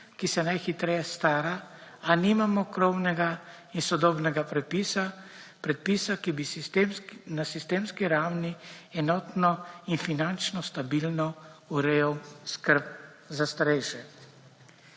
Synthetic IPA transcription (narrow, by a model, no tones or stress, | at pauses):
kisɛnajxit̪ɾɛjɛst̪aːɾaanimamɔkɾɔwnɛɡa | insɔd̪ɔːbnɛɡapɾɛt̪̚pisapɾɛt̪̚pisakibist̪mnasist̪eːmskiɾawniɛnɔːt̪nɔinfinant͡ʃnɔst̪abilnɔuɾewskəɾp̚ | zast̪aɾɛjʃɛ